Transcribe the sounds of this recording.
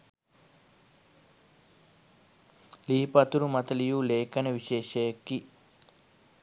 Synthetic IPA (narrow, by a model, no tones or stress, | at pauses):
liːipɐt̪uɾumɐt̪ɐlijuːleːkɐnɐʋiʃeːʃɐjɐkːi